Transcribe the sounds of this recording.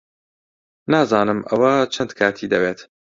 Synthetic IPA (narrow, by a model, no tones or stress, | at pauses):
naːzaːnɨmʔɐ̰wɐt͡ʃʰɐnd̪kʰaːt̪ʰiːd̪ɐbeːt̪